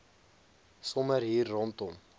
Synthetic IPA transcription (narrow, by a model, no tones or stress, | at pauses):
sɔməɾɦiːrːɔntɔm